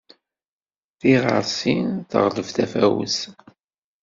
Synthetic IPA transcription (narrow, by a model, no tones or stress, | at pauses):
θiʁə̰ɾsinθə̰ʁləvθæfæwə̰s